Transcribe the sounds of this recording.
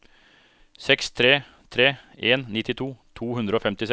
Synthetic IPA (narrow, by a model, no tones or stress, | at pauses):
sɛkst̪ʰɾeː | t̪ʰɾeːeːnnɪt̪ːɪt̪ʰuːt̪ʰuːhʉnd̪ɾəoːfɛmt̪ɪs